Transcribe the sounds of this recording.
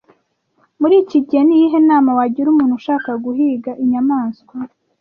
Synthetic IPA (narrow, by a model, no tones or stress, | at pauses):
muɾiːciɟenijiɦe̞naːmawaɟiɾumuːnhuʃaːkaɡuɦiːɡaʔiɲamaːnskwa